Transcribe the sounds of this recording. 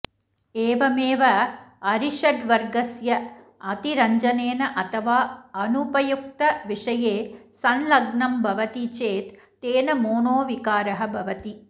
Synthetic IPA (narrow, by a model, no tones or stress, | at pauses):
eːʋɐmeːʋɐɐɾiʂɐɖʋɐɾɡɐsjɐ | ɐt̪iɾɐɲd͡ʒɐneːnɐʔɐt̪ʰɐʋaːɐnupɐjuk̚t̪ɐʋiʂɐjeːsɐnlɐɡɳɐmbʱɐʋɐt̪it͡ʃeːt̪ː | eːnɐmoːnoːʋikaːɾɐɦɐ̆bʱɐʋɐt̪i